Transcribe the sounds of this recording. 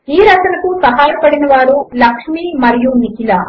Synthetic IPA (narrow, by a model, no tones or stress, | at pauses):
iːɾɐkɐnɐkusɐɦaːjɐpɐɽinɐʋaːɾulɐkʂmiːmɐɾijunikila